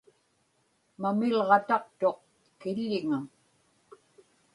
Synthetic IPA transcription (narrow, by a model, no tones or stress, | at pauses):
mamɪlʁɑt̪ɑq̚t̪o̞q | kɪʎːɪŋaŋ